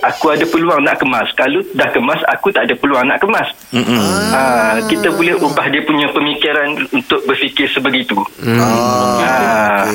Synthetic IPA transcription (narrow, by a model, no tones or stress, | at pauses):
ʔakuadapəluaŋna̰ʔkəmãskalodahkəmasa̰kut̪aʔdapəluaŋna̰ʔkəmas | əkit̪abulɛhubahdiəpuɲãpəmikiɾanunt̪ʊʔ̚bərfikɪrsəbəɡit̪u | a